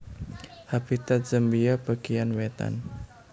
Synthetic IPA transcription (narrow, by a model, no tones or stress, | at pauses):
hab̥it̪at̪̚d͡ʒəmbijab̥a̤ɡijanwet̪a̰n